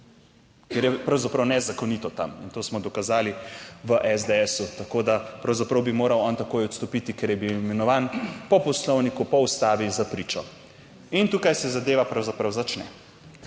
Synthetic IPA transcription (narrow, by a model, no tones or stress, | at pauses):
kɛɾjɛpɾawzapɾɐwnɛzakɔniːt̪ɔt̪a̰mḭnt̪oːsmɔd̪ɔkazaːliʋəʔɛzd̪eɛsut̪akoːd̪apɾawzapɾɐwbimoːɾawɔːnt̪akoːjɔt̪st̪ɔpit̪ikɛɾjɛbiwimɛnɔʋaːnpɔpɔslɔwnikupɔust̪aːʋizapɾiːt͡ʃɔ̰ | int̪uːkajsɛzad̪eːʋapɾawzapɾɐwzat͡ʃnɛ